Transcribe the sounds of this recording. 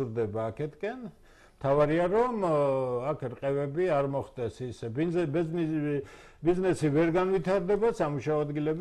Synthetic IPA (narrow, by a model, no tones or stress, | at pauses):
uɾd̪ɛbaːkʰɛt̪ʰkʼɛn | mt̪ʰavaɾiaɾɔmakʰɾqʼɛvɛbiaɾmɔχd̪ɛsisɛb | biznɛsivɛɾɡanvit̪ʰaɾd̪ɛbasamuʃaɔad̪ɡilɛb